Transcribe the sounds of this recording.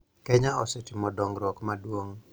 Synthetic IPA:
kɛɲaɔsɛtimɔdɔŋɾɔkmaduɔŋ

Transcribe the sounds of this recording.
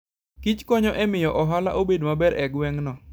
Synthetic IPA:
kit͡ʃkɔɲɔʔɛmɪjɔʔɔɦala̰ʔobedmabɛɾʔɛɡwɛŋnɔ

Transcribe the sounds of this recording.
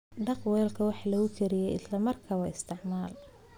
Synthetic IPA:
ɖɑqwɛːlkʰɐwɑħlɐɣʊkʰɛɾɪjɛjɪslɐmɐrkʰaːwɑːɪst̪ʰɪʕmaːl

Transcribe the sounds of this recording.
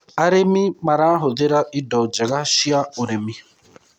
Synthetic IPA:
aɾemimaɾaaɦʊdeɾaidɔd͡ʒeɡaʃiaoɾemi

